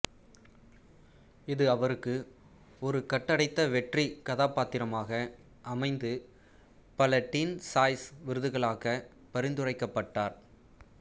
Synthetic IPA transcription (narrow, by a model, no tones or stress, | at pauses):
ɪðɯɐʋɐɾɯkːɯ | ɔɾɯkɐʈːɐɽɐɪt̪ːɐʋɛʈrikɐðaːpːaːt̪ːɪɾɐmaːɣɐ | ʔɐmɐɪnd̪ɯ | pɐlɐʈːiːnsaːjsʋɪɾɯðɯɣɐɭaːɣɐ | pɐɾɪnd̪ɯrɐɪkːɐpːɐʈːaːɾ